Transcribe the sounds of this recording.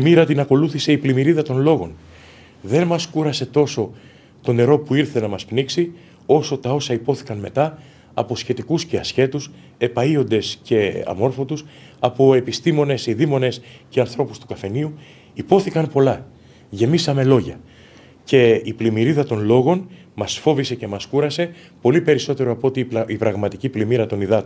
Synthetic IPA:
emiɾɐt̪inɐko̞luθise̞iplimiɾiðɐt̪o̞nlo̞ɣo̞n | ðe̞nmɐskuɾɐse̞t̪o̞so̞ | t̪o̞ne̞ɾo̞puiɾθe̞nɐmɐspniksi | o̞so̞t̪ɐo̞sɐipo̞θi̥kɐnme̞t̪ɐː | po̞sçe̞t̪ikusce̞ɐsçe̞t̪us | e̞pɐio̞nd̪e̞sce̞ɐ̰mo̞ɾfo̞t̪us | ɐpo̞e̞pist̪imo̞ne̞siðimo̞ne̞sce̞ɐnθɾo̞pust̪u̥kɐfe̞niu | ipo̞θikɐnpo̞lɐ | ʝe̞misɐme̞lo̞ʝɐ | ce̞iplimiɾiðɐt̪o̞nlo̞ɣo̞n | mɐsfo̞vise̞ce̞mɐskuɾɐse̞ | po̞lipe̞ɾiso̞t̪e̞ɾo̞ɐpoot̪iipɾɐɣmɐt̪iciplimiɾɐt̪o̞niðɐt̪

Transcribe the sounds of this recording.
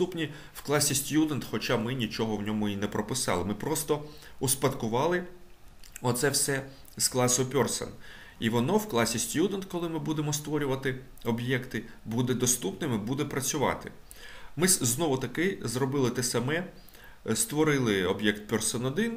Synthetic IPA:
t̪upnʲi | w̥klˠɑsʲisʲtʲjud̪ent̪xɔt͡ʃɑmɪnʲit͡ʃɔɦɔwnʲɔmʊinɛpɾɔpɪsɑ̰lˠɪmɪpɾɔst̪ɔ | uspɐd̪kʊʋɑlˠɪ | ɔt̪sɛwsɛ | sklˠɑsɔpʲɔrsɛ̰n | iʋɔnɔwklˠɑsʲisʲtʲjud̪end̪kɔlˠɪmɪbud̪emɔst̪ʋɔɾʲʊʋɐt̪ɪ | ɔbjɛkt̪ɪ | bud̪ɛd̪ɔst̪upnɪmɪbud̪ɛpɾɐt͡sʲʊʋɑ̰t̪ɪ̰ | mɪznɔʋʊt̪ɐkɪzrɔbɪlˠɪt̪ɛsɐmɛ | st̪ʋɔɾɪlˠɪɔbjɛkt̪̚pʲɔrsɛnɔd̪ɪn

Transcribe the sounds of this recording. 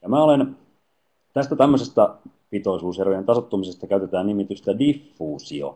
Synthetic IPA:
jɑmæolen | t̪æst̪æt̪æmːøsest̪ɑ | pit̪oisuːsjærʋient̪ɑsot̪ːumisest̪ɑkæyt̪et̪æːnnimit̪yst̪ædifːuːsio̰

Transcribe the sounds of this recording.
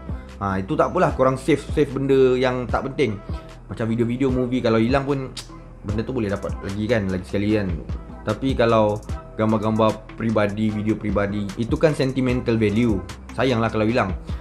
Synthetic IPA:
ʔait̪ut̪aʔpunlahkuɾaŋsefsefbəndəjaŋt̪aʔpənt̪ɪŋ | mat͡ʃamfidiofidiomuvikalawilaŋpʊn | bəndət̪ubolɛhdapat̪̚laɡikanlaɡisə̥kalian | t̪apikalawɡ̥ambaɡambapɾibadividiopɾibadiit̪ukansɛnt̪imɛ̃nt̪alvɛlju | sajaŋlahkalawilaŋ

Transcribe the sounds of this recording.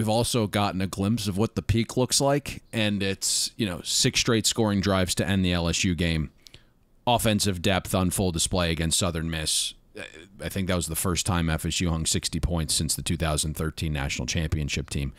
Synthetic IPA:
wivɔlˠsoʊɡɑʔn̩ɨɡlɪ̃mpsʌvwʌt̪̚ðəpʰikʰlʊkslaɪkɨ̃nɪtsjɨnoʊsɪkstɹ̥eɪtskɔɹɪ̃ŋdɹaɪvz̥tʰɨʔɛ̃nðiɛlˠɛsjʉɡẽɪ̃m | ɑfɛ̃nsɨvdɛpθn̩fʊlˠdəspleɪɨɡɛ̃nstsʌðə̃˞nmɪs | aɪθɪ̃ŋk̚ðɨt̚wʌzðəfɜ˞stʰãɪ̃mɛfɨsjʉhʌ̃ŋsɪkstipʰɔ̃ɪ̃ntsɪ̃nsðɨtʰʉθaʊz̃nn̩θɜ˞tʰĩnːæ̰ʃn̩l̩ˠt͡ʃʰæ̃mpiɨ̃nʃɪp̚tʰĩm

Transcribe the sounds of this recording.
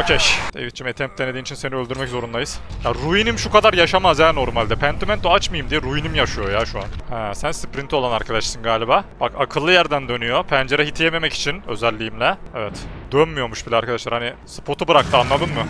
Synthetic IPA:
ocʰɛʃd̪̥ḛvit͡ʃʰimet̪ʰɛmp̚t̪ʰːened̪iːit͡ʃʰinse̞niø̞lʲd̪yɾmɛczo̞ɾunlˠajɯz̥jaɾujinimʃukad̪aɾjaʃamazjaːno̞ɾmalʲd̪ɛpʰɛnt̪ʰymænt̪oat͡ʃmɯjɯmd̪ijɛɾujinimjaʃɯjo̞jaːʃua̰nhɛːsænsɯ̥pɾint̪ʰio̞lˠanaɾkʰad̪aʃsɯnɡaːlʲibaːb̥akakʰɯlˠːɯjæɾd̪ænd̪ø̞nyjo̞pʰænd͡ʒe̞ɾɛɦit̪ʰijeme̞mɛci̥t͡ʃʰinø̞zɛlʲːijimlʲɛɛvɛt̪d̪̥ønmyjo̞muʃbilʲɛaɾkʰad̪aʃlˠaɾhanisɯ̥pʰo̞t̪ʰubɯɾak̚t̪ʰɯanːˠad̪ɯmːɯ

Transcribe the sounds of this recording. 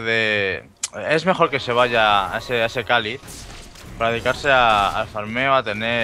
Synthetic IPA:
ðe | ezme̞xo̞ɾke̞se̞β̞aʝaaeseaese̞kali | paɾaðeikaɾse̞a̰ːlfaɾme̞oat̪e̞ne

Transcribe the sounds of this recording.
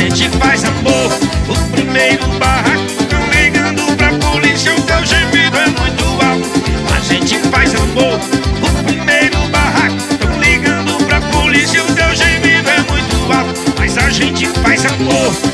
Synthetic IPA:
ẽt͡ʃɪfajzamoɾʊpɾimejɾʊbaɦakʊt̪ɐ̃w̃liɡɐ̃d̪ʊpɾɐpolisjɐʊt̪ewʒemiɾʊɛmũj̃t̪ʊawʊɐ̰ʒẽt͡ʃɪfajzamoɾʊpɾimejɾʊbaɦakʊt̪ɐ̃w̃liɡɐ̃nd̪ʊpɾɐpolisɐʊt̪ewʒemid̪ʊɛmũj̃t̪ʊawkʊmɐjzaʒẽt͡ʃɪfajzamoh

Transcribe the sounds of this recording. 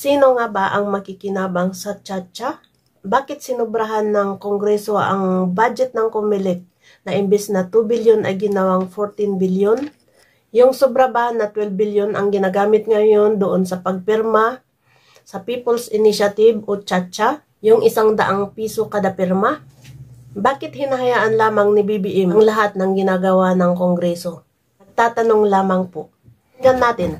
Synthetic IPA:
siːno̞ŋabaʔɐŋmɐkɪkɪnaːbɐŋsɐt͡ʃat͡ʃa | baːkɪt̪̚sɪnʊbɾaɦanːɐŋkoŋɡɾɛso̞ʔɐ̰ŋbad͡ʒɛt̪̚nɐŋkomːɪlɛk̪̚ | nɐʔɪmbɛsnɐt̪ubɪljonɐ̰jɡɪnɐwaŋfoɾt̪ɪnbiljon | jʊŋsobɾabahnːɐt̪wɛlbɪljonʔɐŋɡɪnaɡaːmɪt̪̚ŋajo̞nd̪oʔonsɐpɐɡ̚pɛɾma | sɐpiːpolsɪnɪʃɐt̪ɪbot͡ʃat͡ʃa | jʊŋʔɪsaŋd̪ɐ̰ʔaŋpiːsokɐd̪ɐpɪɾma | baːkɪt̪̚hɪnɐɦɐjaːʔɐnlaːmɐŋnɪbibiʔɛmɐŋlɐɦat̪̚nɐŋɡɪnaːɡɐwanɐŋkoŋɡɾɛso̞ | nɐɡ̚t̪aːt̪ɐno̞ŋlaːmɐŋpo | ɡɐnːaːt̪ɪn

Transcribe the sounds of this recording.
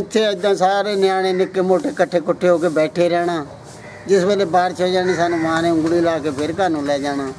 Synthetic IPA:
ɪt̪ʰːeːəd̪ãːsaːɾeːnɪjaːɽ̃eːnɪkːeːmoːʈeːkəʈʰːeːkʊʈʰːeːɦoːkeːbɛːʈʰeːɾɛːɽ̃aː | d͡ʒɪsbeːleːbaːɾt͡ʃʰoːd͡ʒaːniːsaːnũːʋãːnẽːʊ̃ŋɡɽiːlaːkeːpʰɪɾkaːnũːlɛːd͡ʒaːɽaː

